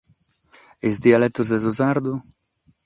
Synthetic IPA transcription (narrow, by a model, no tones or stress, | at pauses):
ezd̪ialɛt̪ːuzd̪ɛzuzaɾd̪u